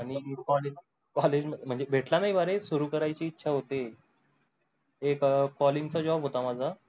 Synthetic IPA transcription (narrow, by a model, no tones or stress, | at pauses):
aɽ̃ikɔled͡ʑ | kɔled͡ʑməm̤əɳd͡zebʱeʈlanaɦjbʱaɾesuɾuːkəɾajt͡ɕiːtːɕʰaɦot̪e | kkɔlint͡sad͡ʑɔbɦot̪amad͡zʱa